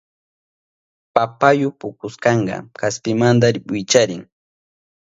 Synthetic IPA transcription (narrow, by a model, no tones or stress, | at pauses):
papajʊpʊkʊskɑɴɢɑ̰kaspɪmand̪aɾɪpɪt͡ʃaɾɪŋ